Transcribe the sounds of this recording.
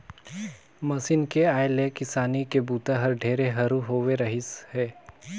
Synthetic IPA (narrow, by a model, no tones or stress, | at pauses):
mɐsɪnkeaːelekɪsaːnikebuːt̪aɦɐɾɖʱeːɾeɦɐɾuɦoːʋeɾɐɦɪshɛː